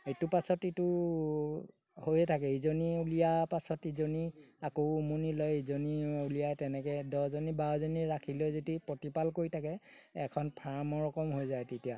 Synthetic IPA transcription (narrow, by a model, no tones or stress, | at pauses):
etʊpasɔtitʊ | hojɛtʰakɛizoniulijapasɔtizoniakoʊumunilɔjezoniulijajtɛnɛkɛdɔzonibaɔzoniɹakʰilojzetipotipalkoɹitʰakɛ | ɛkʰɔnpʰaɹmɔɹɔkɔmɦojzajtetija